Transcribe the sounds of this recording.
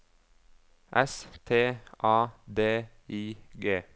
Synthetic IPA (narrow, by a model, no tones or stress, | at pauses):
ʔɛst̪ʰeːʔɑːd̪eː | iːɡeː